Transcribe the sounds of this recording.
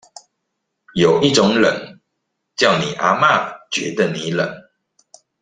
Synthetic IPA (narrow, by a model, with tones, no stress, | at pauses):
jo˨˩ʊi˥˨ʈ͡ʂʊ˨˦ŋlə˨˦n | t͡ɕjɑ˥˨ʊni˨˩ʔa˧˦ma˥˨t͡ɕɥɛ˨˧˦d̪ə˨ni˨˦lə˨˩˦ŋ